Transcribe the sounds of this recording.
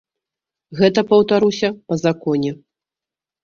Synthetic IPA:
ɣɛt̪ɐpɐwt̪aɾusʲɐpɐzakɔnʲɛ

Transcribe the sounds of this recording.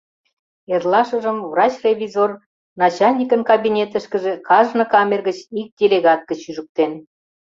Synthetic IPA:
erlɑʃəʒəmvrɑt͡ɕrʲevʲizor | nɑt͡ɕɑlʲnʲikənkɑbinʲet̪əʃkə̆ʒĕkɑʒnɤ̆kɑmʲerɣət͡ɕik̚dʲelʲeɣɑt̪̚ɡə̆t͡ɕːyʒək̚t̪en

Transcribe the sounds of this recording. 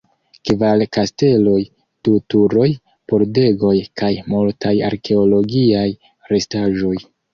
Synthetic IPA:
kvalkaste̞lo̞j | d̥utuɾo̞j | po̞ɾde̞ɡo̞jkajmultaja̰ɾkʰe̞o̞lo̞ɡiaj | ɾe̞staʒo̞j

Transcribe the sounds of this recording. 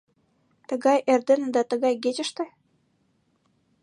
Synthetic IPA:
t̪ə̆ɣɑjerd̪ĕnɘ̆d̪ɑt̪ə̆ɣɑjɡet͡ɕə̆ʃt̪ɘ̆

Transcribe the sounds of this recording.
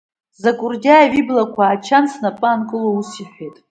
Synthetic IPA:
zakʷʼʊrdʲaaɥiblakʷʰaːt͡ʃʰansʰnapʼaːnkʼɨlousiħʷejtʼ

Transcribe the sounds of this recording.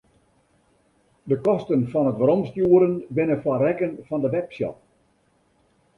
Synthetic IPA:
dəkɔstənfɔnətʋəɾɔmstjuəɾənʋɪnəfwarɛkənfɔndəʋɛpsjɔ̰

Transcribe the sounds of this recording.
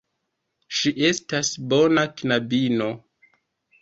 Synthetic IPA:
ʃiʔe̞stasbo̞naknabino̞

